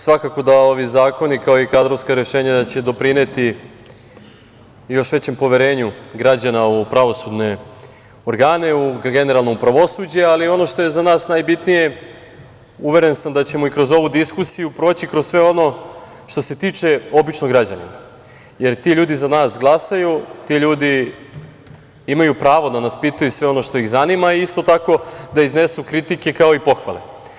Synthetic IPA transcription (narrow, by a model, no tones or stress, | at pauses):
sʋakako̞d̪ao̞ʋizaːko̞nikao̞ikad̪ɾo̞ʋskaɾe̞ʃe̞ːɲad̪at͡ɕe̞d̪opɾinet̪i | jo̞ʃʋe̞t͡ɕe̞mpo̞ʋeɾe̞ːɲuɡɾad͡ʑanaupɾaʋo̞sud̪ne̞ | o̞ɾɡaːne̞uɡe̞ne̞ɾalˠnoupɾaʋo̞sud͡ʑealio̞no̞ʃt̪o̞je̞zanaːsnajbit̪nije̞ | uʋe̞ɾe̞nsamd̪at͡ɕe̞mo̞ikɾo̞zo̞ʋud̪iskusijupɾoːt͡ɕikɾossʋe̞o̞no̞ | ʃt̪o̞se̞t̪iːt͡ʃe̞o̞bit͡ʃnoɡɾad͡ʑa̰nḭna̰ | je̞ɾt̪iʎuːd̪izanaːsɡlˠasajut̪iʎuːd̪i | imajupɾaːʋo̞d̪anaspiːt̪ajusʋe̞o̞no̞ʃt̪o̞iɣzanimaiist̪o̞t̪ako̞d̪aizne̞sukɾit̪ike̞kao̞ipo̞xʋa̰le